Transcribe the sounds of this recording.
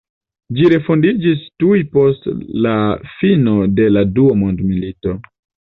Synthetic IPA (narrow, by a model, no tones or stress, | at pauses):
d͡ʒiɾe̞fondid͡ʒistujpo̞stlafino̞de̞laduamondmilito̞